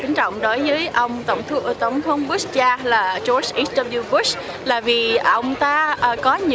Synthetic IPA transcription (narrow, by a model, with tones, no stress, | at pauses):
ka˨˦ŋ̟t͡ɕɔ̰˧˨wŋ͡mɗo˨˦jvəː˨˦jʔə˧wŋ͡mt̪ə˧˩wŋ͡mt̪ʰt̪ə˨˩wŋ͡mt̪ʰə˨˦wŋ͡mɓu˦˥st͡ɕaː˧laː˨˩t͡ɕo˧˦˥sʔi˨˦˥stə˧ɓu˧vu˦˥s | laː˨˩vi˨˩ʔə˧wŋ͡mt̪aː˧ʔə˨˩kɔ˨˦ɲɨ̰˧